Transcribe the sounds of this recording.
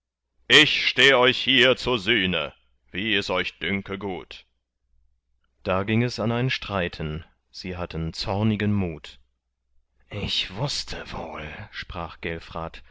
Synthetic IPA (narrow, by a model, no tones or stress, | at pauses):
ʔɪçʃteːəɔʏçhiːɐt͡suːɐzyːnə̰ | viːɛsɔʏçd̥ʏŋkəɡuːt | d̥aːɡɪŋɛsanaɪnʃtʁ̥aɪtʰən | z̥iːɦatən̩t͡sɔɐnɪɡənmuːt | ʔɪçv̥ʊstʰəv̥o̰ːlʃpʁ̥aːχɡ̥ɛlfʁ̥aːt